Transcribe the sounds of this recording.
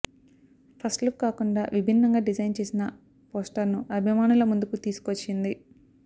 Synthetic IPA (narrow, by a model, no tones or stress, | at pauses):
pʰɐsʈlukkaːkuɳɖaːʋibʱinːɐŋɡaːɖid͡ʒɐjnt͡ʃe̞ːsinɐ | poːsʈɐɾnuʔɐbʱimaːnulɐmund̪ukut̪iːsu̥kot͡ʃːind̪i